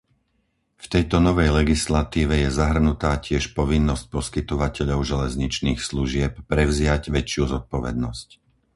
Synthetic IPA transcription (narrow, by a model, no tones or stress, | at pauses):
ft̪ɛjt̪ɔnɔʋɛjlɛɡislat̪iːʋɛjɛzaɦr̩nut̪aːcɪɛʃpɔʋinːɔsc̚pɔskit̪ɔʋacɛʎɔʊʒɛlɛzɲit͡ʃniːxsluʒɪɛp̚pɾɛʊzɪaɟʋɛt͡ʃɪuzɔt̪̚pɔʋɛd̪nɔsc